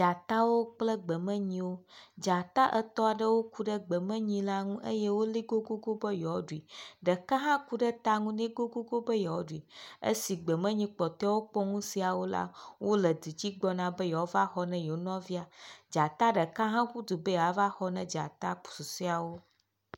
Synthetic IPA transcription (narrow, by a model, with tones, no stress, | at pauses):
d͡ʒa˨t̪a˦wo˦k͡plə˦ɡ͡bə˨mɛ̃˦ɲĩ˦wo˦d͡ʒa˨t̪a˦ʔə˨t̪ɔ˦a˨ɖə˦wo˦ku˦ɖə˦ɡ͡bə˨mɛ̃˦ɲĩ˦la˦ŋũ˦ʔə˦je˦wo˦li˦ɡo˦ɡo˦ɡo˦bə˦jɔ˨˦ɖu˨i˨ɖə˨kã˦ɦã˦ku˦ɖə˦t̪a˦ŋũ˦nɛ̃˦ɡo˦ɡo˦ɡo˦bə˦jɔ˨o˦ɖu˨i˨ə̰˦si˨ɡ͡bə˨mə̃˦ɲĩ˦k͡pɔ˨t̪ɔ˦wo˦k͡pɔ˦ŋũ˦si˨a˨wo˦la̰˦wʔo˦lə˨d̪i˨d͡ʑi˦ɡ͡bɔ˦nã˦bə˦jɔ˨o˦va˦xɔ˦nɛ̃˦je˨o˦nɔ̃˦vi˦a˨d͡ʒa˨t̪a˦ɖə˨kã˦ɦã˦ku˦d̪u˨bə˦ja˨˦va˦xɔ˦nɛ̃˦d͡ʒa̰˨t̪a˦k͡pu̥˨su˨si˦a˨wo˦